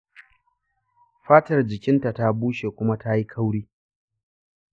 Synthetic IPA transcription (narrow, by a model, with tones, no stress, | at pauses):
ɸaː˦tɐ˨rd͡ʒɪ˨kʲɪ˦nta˨ta˦buː˦ʃe˨kʷʊ˦ma˦ta˦ji˦kʰa˦wɽiː˦